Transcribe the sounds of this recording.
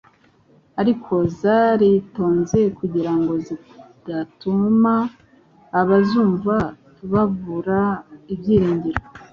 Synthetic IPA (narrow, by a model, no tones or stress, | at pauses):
aɾikʰo̞zaɾito̞ːnze̞kuɟiɾaŋɡo̞zi | d̥atumaː | βazuːɱvatuβavuɾaibɟiːɾiːɲɟiɾo